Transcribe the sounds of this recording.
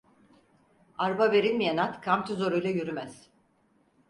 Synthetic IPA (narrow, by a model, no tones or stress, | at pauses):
aɾbave̞ɾilʲmijanat̪kʰamt̪ʰizoɾujlˠajyɾymæz̥